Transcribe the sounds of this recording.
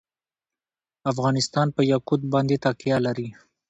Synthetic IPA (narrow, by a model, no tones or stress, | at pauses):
afɣɑnɪst̪ɑnpəjakud̪̚bɑnd̪et̪ɑkijalaɾi